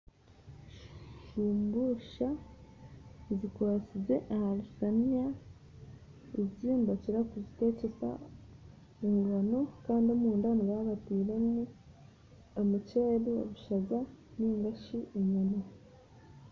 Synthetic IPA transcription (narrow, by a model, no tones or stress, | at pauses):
ʃiːmbuʃa | zikwaːt͡size̞ʔahaɾisanija | eziːmbaciɾakuzite̞ːcesa̰ | eŋɡanokaːndiomuːndaniβaβatiːɾemu | omut͡ʃeːɾio̰βuʃaɡaniːŋɡaʃiʔeɲana